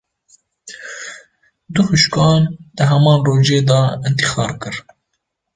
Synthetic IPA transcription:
d̪uhuʃkɑːnd̪̥əɦɛmɑːnroːd͡ʒeːd̪ɑɨnt̪i̥xɑːɾkɨɾ

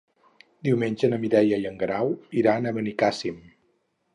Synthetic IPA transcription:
d̪iwmenʲʒənəmiðɛjəjəŋɡɾawiɾanəβənikasim

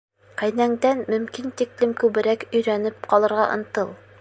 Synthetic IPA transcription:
qæjnæŋd̪ænmɵ̆mkint̪iklɘmkʉβɘ̆ɾækɵ̆jɾænɘp̚qɒlˠɤ̆ɾʁɑʔŏ̰nt̪ɤlˠ

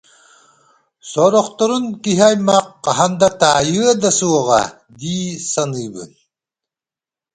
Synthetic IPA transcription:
sɔːɾɔqt̪ɔɾunkiɦiajmɑq̚ːɑɦand̪at̪aːjɯɐd̪asuɔʁɑ̰ | d̪iːsanɯjbɯ̰n

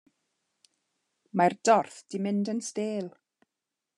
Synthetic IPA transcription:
mardɔrθd̥imɪndənsteːlˠ

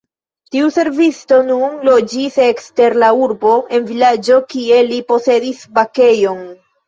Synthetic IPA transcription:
tiuse̞ɾvisto̞nunlo̞d͡ʒise̞kste̞ɾlauɾbo̞ʔe̞nvilad͡ʒo̞kie̞lipo̞se̞disbake̞jo̞n

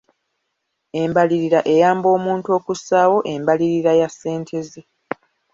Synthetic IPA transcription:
e̞mbaliɾiɾaʔe̞jaːmbo̞ːmuːntuo̞ːkusaːwo̞ʔe̞mbaliɾiɾajasːe̞ːntʰe̞ze

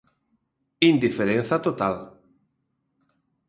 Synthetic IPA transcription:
ind̪ifeɾẽn̟θat̪ot̪al

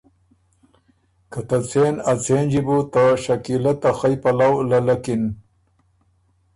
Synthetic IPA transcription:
kɐt̪ɐt͡senɐt͡seːnd͡ʑibut̪aʃɐkilɐt̪axɐjpɐlawlɐlɐkin

